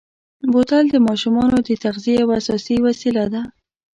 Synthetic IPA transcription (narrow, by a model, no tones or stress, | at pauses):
bot̪ald̪əmɑʃumɑnod̪ət̪aɣziejawasɑsiwasilad̪a